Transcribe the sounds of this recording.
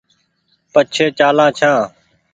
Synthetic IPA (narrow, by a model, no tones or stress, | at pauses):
pət͡ʃʰeːt͡ʃaːlãːt͡ʃʰãː